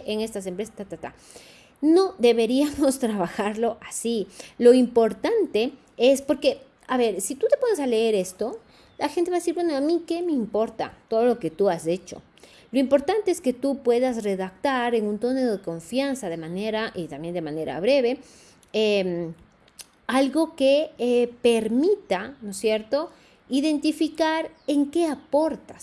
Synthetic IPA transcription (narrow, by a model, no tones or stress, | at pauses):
ʔeŋe̞st̪as̬e̞mpɾesast̪at̪at̪a̰ | no̞ðe̞βe̞ɾiamo̞st̪ɾaβaxaɾlo̞ʔasilo̞impo̞ɾt̪ant̪e̞ | e̞spo̞ɾke̞ | aβe̞ɾsit̪ut̪e̞po̞nesale̞e̞ɾe̞st̪o̞ | laxent̪eβaðesiɾbwe̞no̞amike̞me̞impo̞ɾt̪a̰t̪o̞ðo̞lo̞ke̞t̪uazet͡ʃo̞̰ | lo̞impo̞ɾt̪ant̪e̞eske̞t̪upwe̞ðas̬re̞ðak̚t̪aɾe̞ŋũnt̪oneðoðeko̞ɱfjansaðe̞maneɾaʔit̪ambje̞nd̪e̞mãne̞ɾa̰βɾe̞βe̞ | em | alɣo̞keepe̞ɾmit̪ano̞sje̞ɾt̪o̞ | iðe̞nt̪ifikaɾe̞ŋke̞apo̞ɾt̪ḁs